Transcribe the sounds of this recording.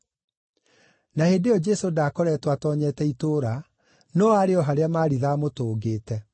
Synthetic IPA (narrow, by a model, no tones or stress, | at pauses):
naheːndeɔd͡ʒɛsodaːkɔɾɛtwatɔːɲɛtɛitoːɾa | nɔːaɾeɔɦaɾeamaːɾiðamotoːɡeːtɛ